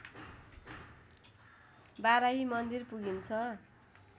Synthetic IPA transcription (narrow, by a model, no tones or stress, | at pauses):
baɾaɦimʌnd̪irpuɡint͡sʰʌ